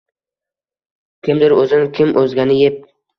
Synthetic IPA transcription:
kʲʰɪmd̪ɪɾɵzɪnɪkʲʰɪmʔɵzɡʲanɪjep̚

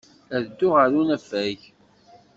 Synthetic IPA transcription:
æðd̪ːʊʁəɾunæfæʝ

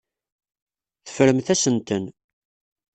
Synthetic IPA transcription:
θə̥fɾəmθæsənt̪ən

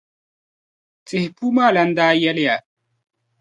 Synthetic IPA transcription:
t͡sʼihpumaːlɐnd̪aːjɐlja

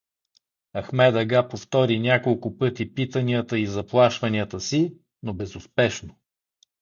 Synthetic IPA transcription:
ɐxmɛd̪ɐɡapoft̪ɔɾinʲakolˠkʊpɤt̪ipit̪əniət̪əizɐplˠaʃvɐniət̪əsi | nobɛzʊspɛʃno

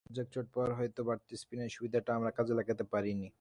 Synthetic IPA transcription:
d͡ʑak̚t͡ɕoʈ̚pɔɾɦɔjt̪obaɾt̪ispinaʃubid̪ʱaʈaamɾakad͡ʑelɛkat̪epaɾini

